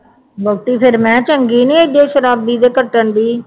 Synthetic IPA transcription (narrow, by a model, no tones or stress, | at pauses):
bəɡ̚ʈiːpʰɪɾmɛ̃ːt͡ʃəŋɡiːnĩːed͡ʒeːʃəɾaːb̚d̪iːd̪eːkəʈːəɳd̪iː